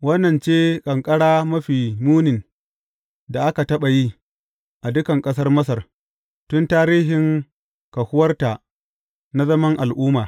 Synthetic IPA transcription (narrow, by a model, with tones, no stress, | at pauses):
wɐ˦nːɐ˨nt͡ʃeː˦kʼɐ˨ŋkʼɐ˦ɽaː˦mɐ˦ɸiː˨muː˦nɪ˨n | da˨ʔa˦ka˨tɐ˦ɓa˨ji˦ | ʔa˨dʊ˦kɐ˨ŋkʼɐ˦s̬ɐ˦rmɐ˦s̬ɐ˨r | tʊ˦ntaː˦ɾiː˦ɦɪ˨ŋ | kɐ˨hʊ˦wɐ˦rta˨ | na˦zɐ˦mɐ˦ŋʔa˨lʔʊː˦maː˨